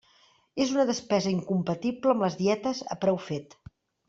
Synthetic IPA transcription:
ezunəðəspɛzəiŋkumpət̪ipləmləzðiɛt̪əzə̰pɾɛwfet̪

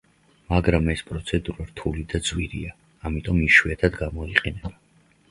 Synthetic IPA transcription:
maɡɾamɛspʼɾɔt̪sʰɛd̪uɾaɾt̪ʰulid̪ad̪zwiɾḭaː | mit̪ʼɔmiʃwiɛt̪ʰad̪ɡamɔiqʼɛnɛba

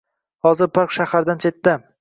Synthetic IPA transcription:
hɒzɪɾpʰaɾqʃahaɾd̪ant͡ʃʰe̞t̪ːɪ

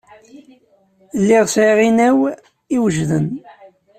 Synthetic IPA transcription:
lːiʁsiʁinæw | iwəʒðən

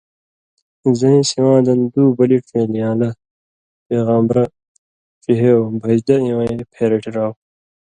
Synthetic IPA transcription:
zɐĩsiwãːd̪ɐnd̪uːbɐliʈfeːlijãːlɐ | peːɣaːmbɾɐ | fiɦeobʱɐd͡ʑd̪ɐĩwɐ̃epʰeːɾɐʈʰiɾaːw

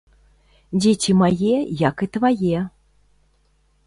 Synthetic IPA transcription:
d͡zʲet͡sʲimajɛjakɨt̪vajɛ

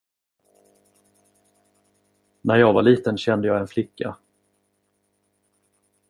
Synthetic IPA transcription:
næɾjɑːɡvaɭiːt̪ənɕɛnd̪əjɑːɛnflɪkːa

